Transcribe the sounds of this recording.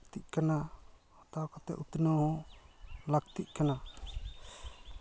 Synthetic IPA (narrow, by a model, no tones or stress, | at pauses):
t̪iʔkanahɔt̪akɔt̪ɛ̰ʔut̪naɦɔ̃ | lakt̪iʔkana